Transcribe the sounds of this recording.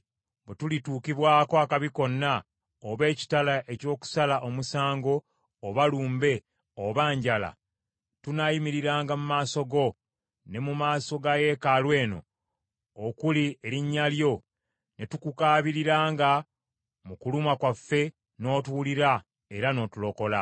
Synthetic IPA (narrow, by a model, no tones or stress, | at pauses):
betulituːkiβwaːko̞akaβiko̞nːa | oβe̞ːci̥talaʔe̞co̞ːku̥salaʔo̞musaːŋɡo̞ː | βaluːmbe̞ | oβaːɲɟala̰ | tunajimiɾiɾaːŋɡamumaːso̞ɡo̞ | ne̞mumaːso̞ɡaje̞ːkalwe̞ːno̞̰ː | kulie̞ɾiɲːaljo̞ | ne̞tukukaːβiɾiɾaːŋɡa | mukulumakwafːe̞ | no̞ːtwuːliɾa | e̞ɾano̞ːtulo̞ko̞la